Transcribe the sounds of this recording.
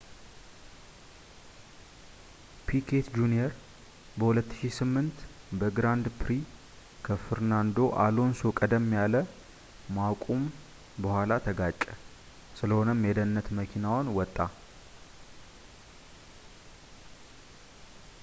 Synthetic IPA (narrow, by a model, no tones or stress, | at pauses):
pʰikʰe̞t̪d͡ʒunjeɾ | bəhulət̪ːɨ̥ʃisɨmːɨnt̪ | bəɡɾand̪pʰɾi | kʰəfɨɾnand̪o̞ʔalo̞nsokʼəd̪əmːjalə | makʷʼum | bəhʷalat̪ʰəɡat͡ʃʼːɛ | sɨləho̞nəmjed̪ənːət̪məkʰinawnwɔt̪ʼːa